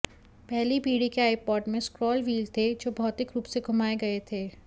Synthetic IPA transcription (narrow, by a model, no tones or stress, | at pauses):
pɛɦlipiːɽikeaːɪpɔːʈmẽskɾɔːlʋiːlt̪ʰed͡ʒoːbʱɔːt̪ɪkɾuːpseɡʱʊmaːeɡɐet̪ʰeː